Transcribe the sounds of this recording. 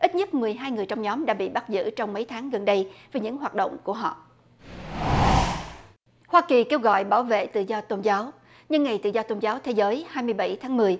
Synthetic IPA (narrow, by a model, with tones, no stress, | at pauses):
ʔi˦˥t̚ɲə˦˥t̚mɨ˨˩əjɦaː˧jŋɨ˨˩əjt͡ɕɔ˧wŋ͡mɲɔ˨˦mɗa̰ː˧˥ɓḭ˧˨ɓa˦˥t̚zɨ̰˧˥t͡ɕɔ˧wŋ͡mmə˨˦jt̪ʰaː˨˦ŋɣə˨˩nɗə˧jveː˨˩ɲɨ̰˧˥ŋɦwaː˨˩t̚ɗo̰˧˨wŋ͡mku˧˩əɦɔ̰˧˨ | hwaː˧ki˨˩ke˧wɣɔ̰˧˨jɓaː˧˩wvḛ˧˨t̪ɨ̰˧˨zɔ˧t̪o˧nzaː˨˦w | ɲɨ˧ŋːa˨˩jt̪ɨ̰˧˨zɔ˧t̪o˧nzaː˨˦wt̪ʰe˨˦zəː˨˦jhaː˧jmɨ˧əjɓa˧˩jt̪ʰaː˨˦ŋmɨ˨˩əj